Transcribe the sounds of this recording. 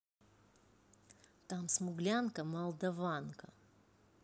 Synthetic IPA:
t̪amsmʊɡlʲankəmɐlˠd̪ɐvankɐ

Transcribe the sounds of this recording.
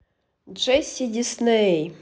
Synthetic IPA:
d͡ʒɛsʲidʲisnɛj

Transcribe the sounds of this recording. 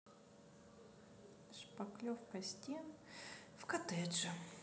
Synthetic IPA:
ʂpɐklʲofkɐsʲt̪ʲenfkɐt̪ɛʐɨ

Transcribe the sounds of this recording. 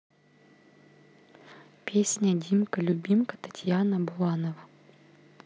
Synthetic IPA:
pʲesʲnʲədʲimkəlʲʊbʲimkət̪ɐ̥tʲjanəbʊlˠanəvə

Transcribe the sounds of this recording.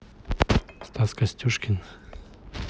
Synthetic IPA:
st̪askasʲtʲuʃkʲin

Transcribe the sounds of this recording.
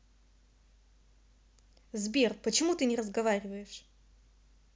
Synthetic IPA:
zbʲirpət͡ɕɪmut̪ɨnʲɪrəzɡɐvaɾʲɪvəjɪʂ

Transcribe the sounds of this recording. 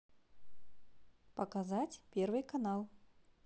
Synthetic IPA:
pɐkazatʲpʲervɨjkanalˠ

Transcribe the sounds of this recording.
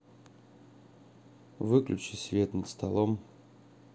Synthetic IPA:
vɨklʲʉt͡ɕɪsʲvʲet̪nət̪st̪ɐlˠom

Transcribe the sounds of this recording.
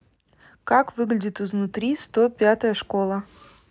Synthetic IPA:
kakvɨɡlʲɪdʲɪt̪ɨznʊt̪ɾʲist̪opʲat̪əjəʂkolˠə

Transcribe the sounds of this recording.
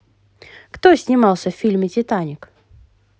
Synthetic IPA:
kt̪osʲnʲɪmɑlˠsʲəffʲilʲmʲɪtʲɪt̪anʲɪk

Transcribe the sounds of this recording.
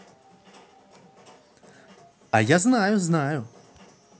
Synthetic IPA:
ɐ̰jaznajuznaju

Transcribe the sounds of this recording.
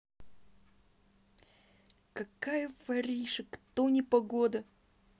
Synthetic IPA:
kɐkajəvɐɾʲiʂɨkt̪onʲɪpɐɡod̪ə

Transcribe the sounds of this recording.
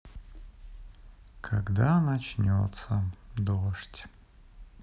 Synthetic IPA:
kʰaɡd̪anat͡ʃnʲo̰t̪səd̪oʂtʲ

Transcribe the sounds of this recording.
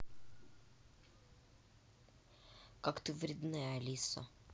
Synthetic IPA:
kakt̪ɨvɾʲɪd̪najlʲisɐ̰

